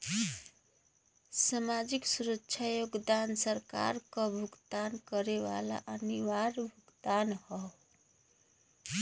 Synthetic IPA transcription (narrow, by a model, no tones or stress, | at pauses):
samad͡ʒiksuɾətːʃʰajoɡd̪ansəɾka̰ɾkʌbʱuɡd̪ankəɾeʋa̰la̰ʔəniwaɾbʱuɡd̪anhɔ